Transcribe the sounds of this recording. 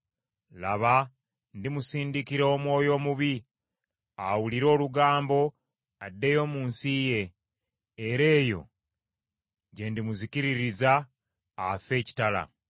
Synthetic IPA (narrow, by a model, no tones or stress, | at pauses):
laβa | ndimusiːndikiɾoːmwo̞ːjo̞ːmuβi | awuliɾo̞ːluɡaːmbo̞ | adːe̞jo̞muːnsije̞ː | ɾe̞ːjo̞̰ | ɟe̞ndimuziciɾiɾizaː | fe̞ːci̥tala̰